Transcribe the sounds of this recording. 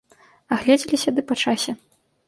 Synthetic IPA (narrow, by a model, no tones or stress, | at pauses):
aɣlʲɛd͡zʲilʲisʲɐd̪ɨpɐt͡ʂasʲɛ